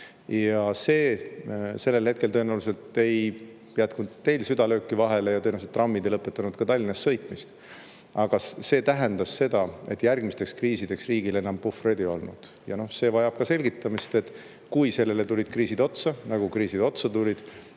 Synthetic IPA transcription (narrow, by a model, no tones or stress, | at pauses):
jɑse̞ː | se̞lːe̞lhe̞t̪̚kelt̪oenæwlus̬e̞lt̪e̞j | jæt̪kud̪t̪e̞jlsyd̪̥ɑløːkːivɑɦe̞lejɑt̪ɤnɑuset̪ːˑrɑmːid̪̥ejlɤpːˑe̞t̪ːˑɑnud̪̥̚kɑt̪ɑlʲːinɑsːɤ̞jt̪ˑmist̪ | ɑɡ̥ɑse̞ːt̪æɦend̪̥ɑsse̞d̪̥ɑe̞̰t̪ːˑjærɡ̥mist̪e̞kskriːsid̪̥e̞ksriːɡ̥ile̞nːɑmpufred̪ijo̞̰lnṵd̪̥ | jɑno̞hse̞ːvɑjɑb̥kɑse̞lʲɡit̪ˑːɑmist̪e̞t̪ːˑ | kujse̞lːe̞le̞t̪ulʲid̪̥kriːsid̪o̞t̪sɑnɑɡukriːsid̪o̞t̪sɑt̪ulʲid̪̥